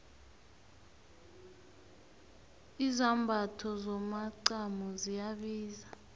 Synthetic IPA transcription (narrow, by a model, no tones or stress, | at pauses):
izambʱatʰɔzɔmaǀamɔzijaɓiːza